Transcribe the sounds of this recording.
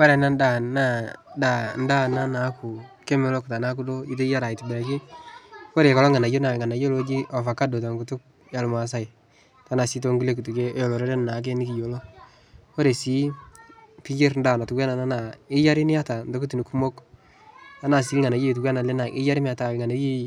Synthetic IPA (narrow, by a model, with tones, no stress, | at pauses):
wa˦ɾɛ˨na˦nda˦˨na˦˨da˨n˦da˦na˦na˨˦kʰu˨kɛ˦mɛ˨lɔ˦kta˨na˦ku˦do˦d͡ʒi˦t̬e˦ja˦ɾa˨ɪ˨ti˨bɛ˨ɾa˨kɪ˦ko˦ɾe˨kɔ˨lɔ˦ŋa˨na˨jo˦na˨ŋa˨na˨jo˦lo˦d͡ʒi˦ʔɔ˨fa˨ka˦do˨ta˨ŋɡu˨tʊ˦k̚ | ja˨lma˨s̬a˦j | ta˨˦na˨si˦t̬o˦ŋɡu˦le˦k̬u˨tu˨ke˦jɔ˨lɔ˨ɾɔ˦ɾe˦nna˨˦k̬e˦nɪ˦ki˨jo˨lo˦ | ko˦ɾe˨si˨˦ | pi˦d͡ʒe˦ɾn̩da˦˨na˨tu˨kɛ˦na˨na˦na˨ɪ˦ja˦ɾɪ˦nɪ˦ja˦ta˨ndo˦ku˦t̬i˨ni˨ku˦mo˦k | ta˨˦na˨si˨˦lŋa˨na˨˦je˦˨t̬u˨kwa˦na˨le˦na˨ʔɪ˦ja˦ɾɪ˦mɪ˦a˦ta˨ŋa˨na˨je˦